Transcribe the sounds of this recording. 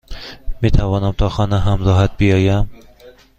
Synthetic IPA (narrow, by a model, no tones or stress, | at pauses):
met̪ʰavɒnamt̪ʰɒχɒnaɦamzɒɦat̪̚bɪjɒjam